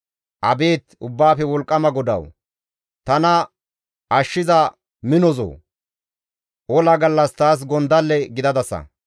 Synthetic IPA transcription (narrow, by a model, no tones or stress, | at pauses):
ʔɐbe̞ːt̪ʊbːaːfɛwɔlkʼːɐmɐɡɔd̪ɐ̰w | t̪ɐnɐ | ʔɐʃːɪzɐ | mɪnɔzo̰ː | ʔɔlɐɡɐlːɐst̪aːs̬ɡɔnd̪ɐlːɛɡɪd̪ɐd̪ɐsɐ̰